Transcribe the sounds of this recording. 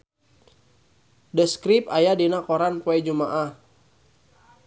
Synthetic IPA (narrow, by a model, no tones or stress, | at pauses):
dəskɾip̚ajadinakoɾanpoɛd͡ʒumaʔah